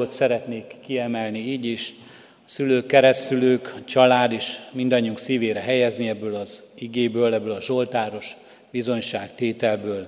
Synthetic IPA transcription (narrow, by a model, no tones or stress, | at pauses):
ot̪sɛɾɛt̪neːkːiɛmɛlniiːɟiʃ | syløːkːɛɾɛsyløːkt͡ʃɒlaːd̪eːʃmind̪ɒɲːiuŋksiːveːɾɛɦɛjɛzniɛbːøːlɒziɡeːbøːlɛbːøːlɒʒo̞lt̪aːɾo̞ʃ | bizo̞ɲʃaːkt̪eːt̪ɛlbøːl